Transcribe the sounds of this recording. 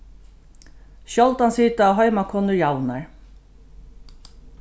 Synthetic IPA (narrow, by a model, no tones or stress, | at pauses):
ʃɔlt̪ansiːt̪aːɦœʏmakʰɔnəɹjawnaɹ